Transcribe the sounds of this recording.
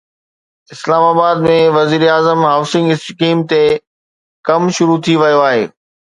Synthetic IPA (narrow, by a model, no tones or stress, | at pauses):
ɪslaːmaːbaːd̪mẽʋɐziːɾaːzəmɦaːʊsɪ̃ŋɡɪskiːmt̪e | kɐmʃʊɾut̪ʰiʋɐjoaːɦḛː